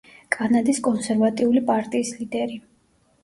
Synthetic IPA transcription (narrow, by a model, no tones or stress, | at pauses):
kʼanad̪iskʼɔnsɛɾvat̪ʼiulipʼaɾt̪ʼiːslid̪ɛɾi